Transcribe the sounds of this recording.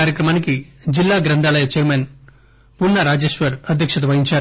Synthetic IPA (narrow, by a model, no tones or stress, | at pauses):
aːɾjɐkɾɐmaːnikid͡ʒilːaːɡɾɐnd̪ʱaːɭɐjɐt͡ʃeːɾmen | punːɐɾaːd͡ʒeːʃʋɐɾɐd̪ʱjɐkʂɐt̪ɐʋɐɦiɲt͡ʃaː